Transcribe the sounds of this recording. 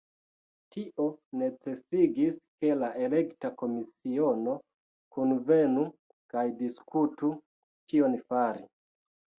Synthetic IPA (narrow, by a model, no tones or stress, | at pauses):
tiʔo̞ne̞t͡se̞siɡiske̞laʔe̞le̞ktako̞misiono̞ | kunve̞nu | kajdiskʰutu | tʰionfaɾi